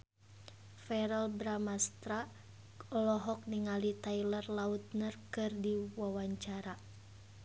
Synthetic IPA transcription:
fɛɾɛlbɾamast̪ɾa | ɔlɔɦɔk̚niŋalit̪ailərlaut̪̚nərkɨrdiwawaɲt͡ʃaɾa

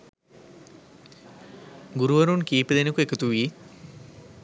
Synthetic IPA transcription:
ɡuɾuʋɐɾunkiːpid̪enəkuekət̪uʋi

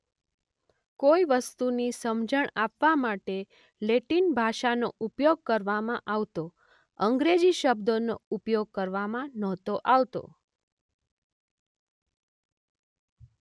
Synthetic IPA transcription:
koiʋəst̪unisəmd͡ʒəɳapʋamaʈe | leʈinbʱaʃano̰ʔupjoɡ̚kəɾʋamãʔaʋt̪o | əŋɡɾed͡ʒiʃəbd̪ono̰upjoɡ̚kəɾʋamãnɔt̪oʔaʋt̪o̰

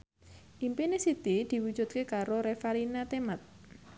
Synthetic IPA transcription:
ʔimpinesit̪id̪̥i̤wud̥ʒ̥ṳt̪̚kekaɾoɾefalinat̪emat̪̚

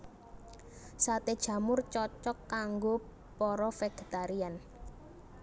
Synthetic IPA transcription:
sat̪ed̥ʒ̥ä̤mʊrt͡ʃɔt͡ʃɔkːaŋɡo | pɔɾɔfeɡ̥e̤t̪aɾian

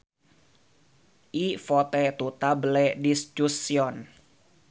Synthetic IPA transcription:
ʔifɔt̪ɛt̪ut̪abəlɛdist͡ʃusiɔn

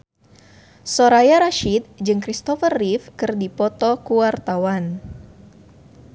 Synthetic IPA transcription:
soɾajaɾaʃit̪̚d͡ʒɨŋkɾist̪ɔfərːifkɨrdipɔt̪ɔkuwart̪awan

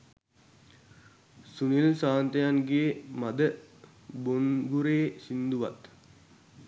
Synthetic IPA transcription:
sunilsaːnt̪əjanɡeːmad̪ə | bonɡuɾeːsind̪uʋa̰t̪

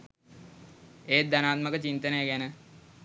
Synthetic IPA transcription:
eːt̪̚d̪anaːt̪məkət͡ɕint̪ənəjəɡænə

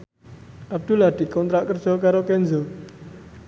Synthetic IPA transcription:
ʔab̚d̪̥ulad̪̥i̤kɔnt̪ɾaʔkərd͡ʒ̥ɔkaɾokɛnd͡ʒɔ

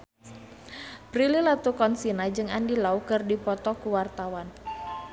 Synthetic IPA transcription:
pɾililat̪ukɔnsinad͡ʒɨŋandilaukɨrdipɔt̪ɔkuwart̪awan

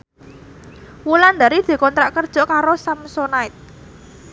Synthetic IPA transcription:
wuland̪a̤ɾid̪̥e̤kɔnt̪ɾaʔkərd̥ʒ̥ɔ̤kaɾosamsonaɪt̪̚

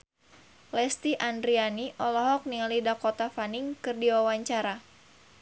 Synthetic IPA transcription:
lɛst̪iʔandɾianiʔɔlɔɦɔk̚nialidakɔt̪afaniŋkɨrdiwawaɲt͡ʃaɾa

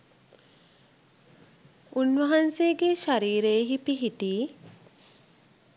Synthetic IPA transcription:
unʋɐɦanseːɡeʃaɾiːɾeːɦipiɦit̪iː

